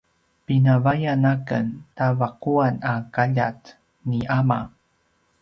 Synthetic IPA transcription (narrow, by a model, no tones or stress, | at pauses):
pinavajanakə̰ntavaquanakaʎa̰t | niʔama̰